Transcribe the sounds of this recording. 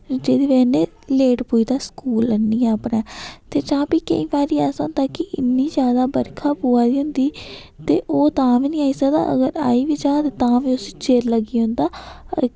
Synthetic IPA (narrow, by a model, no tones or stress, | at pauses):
d͡ʒeːd̪iːʋɛːneː | leːʈpuːiːd̪aːskuːlənːiːɛəpnɛːt̪eːt͡ʃãːpiːkə̰ĩːbaːɾiːɛːsnd̪aːkɪʔɪnːiːd͡ʒjaːd̪aːbəɾkʰaːpuːaːd̪iːɦʊ̃nd̪iː | t̪eːʔoːt̪ãːʋiːnĩːaːiːsəkd̪a̰ːʔə̰ɡəɾa̰ːiːʋiːd͡ʒãːt̪et̪ãːʋiːʊst͡ʃeːɾləɡiːɦʊ̃nd̪aː